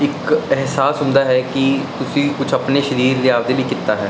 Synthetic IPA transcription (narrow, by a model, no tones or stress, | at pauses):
ɪkɛɦsaːsɦʊ̃nd̪aːɦɛːkit̪ʊsĩkʊt͡ʃʰəpneʃəɾiːɾleaːʋd̪ebʱiːkɪt̪ːaːɦɛː